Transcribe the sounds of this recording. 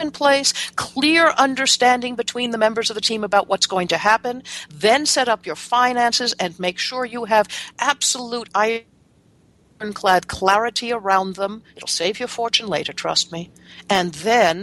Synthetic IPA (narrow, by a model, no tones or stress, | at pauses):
npʰl̥eɪskʰl̥ɪɹʌ̃ndə˞stæ̃ndɪ̃ŋbɨtʰw̥ĩnðəmɛ̃mbə˞zʌvðɨtʰĩməbaʊʔ̚wʌtsɡ̥oʊɪ̃ŋtʰɨhæpɨ̃nðɨ̃nsɛɾʌpjə˞fãɪ̃næ̃nsɨzɨ̃nmeɪkʃʊɹjɨɨvʔæb̥səluɾaɪ | nkʰl̥æd̚kʰl̥æɹɨɾiə˞ãʊ̃nðə̃mɨɾl̩ˠseɪvjə˞fɔɹt͡ʃɨ̃n̩leɪɾə˞tʰɹ̥ʌ̰st̚mi | ɨ̃nðɨ̃n